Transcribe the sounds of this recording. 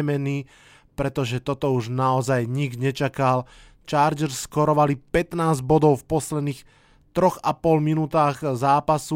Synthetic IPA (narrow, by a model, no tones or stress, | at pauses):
ɛmɛniː | pɾɛt̪ɔʒɛt̪ɔt̪ɔuʒnaɔzajɲiɡɲɛt͡ʃakal | t͡ʃaːɾd͡ʒɛɾsːkɔɾɔʋalipɛt̪naːzɟbɔd̪ɔʊfpɔslɛd̪niːx | t̪ɾɔɣapɔlminuːt̪aːɣzaːpasu